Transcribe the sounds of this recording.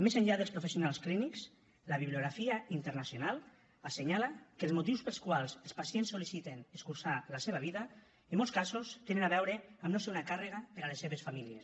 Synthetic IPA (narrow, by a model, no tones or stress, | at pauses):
mezaɲʎaðəlˠspɾufesjunalˠsklinikz̥ | laβiβliuɣɾafiaint̪əɾnasjonalˠ | aseɲalakəlˠzmut̪iwspəlˠskwalˠzelˠspasiensːolisit̪eneskulsalaseβ̞aβ̞iða | emːɔlˠskazost̪enənaβɛwɾeamnoseunakareɣapeɾalesːeβesfamilies